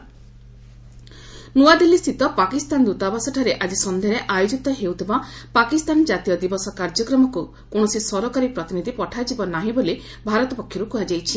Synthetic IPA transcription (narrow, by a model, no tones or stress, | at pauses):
nuad̪ilːist̪ʰit̪ɔpakist̪and̪ut̪abasɔʈʰaɾeʔad͡ʒisɔnd̪ʱeɾeʔajod͡ʒit̪ɔɦewt̪ʰibapakist̪and͡ʒat̪ijɔd̪ibɔsɔkaɾd͡ʒɔkɾɔmɔku | koɽ̃ɔsisɔɾɔkaɾipɾɔt̪inid̪ʱipɔʈʰajd͡ʒibɔnaɦĩbole | bʱaɾɔt̪ɔpɔkʰjɔɾukuad͡ʒajt͡ʃʰi